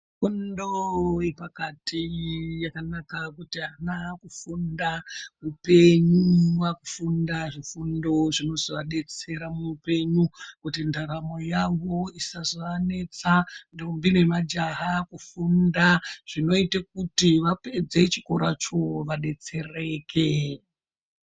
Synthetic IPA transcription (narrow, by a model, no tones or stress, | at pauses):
fundoepakatʰijakanakakutianakufundamupe̞ɲuwakufundaʐifundo̞ʐino̞zoʋaɗe̞t͡se̞ɾamuupe̞ɲukutindaɾamo̞jaŋɡo̞isazoʋane̞t͡sandombine̞mad͡ʒaɦakufundaʐ̥ino̞itek̚utiʋaped͡zet͡ʃikoɾat͡ʃo̞ʋaɗe̞t͡se̞re̞kʰe